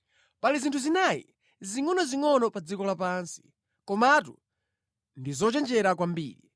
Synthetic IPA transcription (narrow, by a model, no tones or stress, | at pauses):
palizintʰuzinajḭ | ziŋɔnɔziŋɔnɔpad͡zikɔlapansi̥ | kɔmatṵ | ndizɔt͡ʃɛnd͡ʒɛɾakwambḭːɾḭ